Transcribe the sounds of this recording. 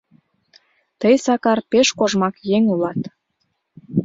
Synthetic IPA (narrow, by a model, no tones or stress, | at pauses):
t̪əjsɑkɑrpeʃkoʒmɑkjeŋulɑt̪